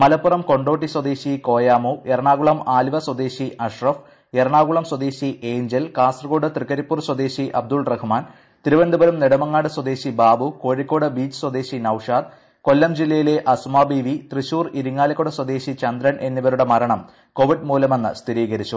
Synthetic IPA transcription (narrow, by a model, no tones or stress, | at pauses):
mɐlɐpːurɐmko̞ɳɖo̞ːʈ̬ːiswɐd̪eːɕiko̞ːjaːmueɾɐɳaːɣuɭɐmaːliʋɐswɐd̪eːɕiʔɐʂrɐf | eɾɐɳaːɣuɭɐmswɐd̪eːɕiʔeːɲd͡ʑɐlkaːsrɐɣoːɽɨt̪rikːɐɾipːuːrswɐd̪e̞ːɕiʔɐb̚d̪ulrɐhumaːn | t̪iɾuʋɐnd̪ubɐɾumneɽɐmɐŋːaːɽɨswɐd̪e̞ːɕibaːbuko̞ːɻikʲːo̞ːɽɨbiːt͡ɕːswɐd̪eːɕinɐwʂaːd̪̚ | ko̞lːɐmd͡ʑilːɐjile̞ʔɐsumaːbiːʋit̪riɕuːriɾuŋːaːlɐkːoɽɐswɐd̪e̞ːɕit͡ɕɐnd̪ɾɐnʔe̞nːiʋɐɾuɽemɐɾɐɳɐm | ko̞ʋiɖmuːlɐme̞nːɨ̰st̪ʰiɾiːɣɐɾit͡ɕːu